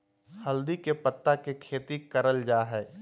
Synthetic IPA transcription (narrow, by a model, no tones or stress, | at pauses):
hɐld̪ikepɐt̪ːakekʰeːt̪ikɐɾəld͡ʒaːɦɛː